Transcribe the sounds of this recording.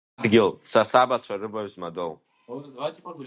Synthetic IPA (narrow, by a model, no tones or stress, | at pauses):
dɡʲɪlsasabasʷʰarɨbaɥzmadow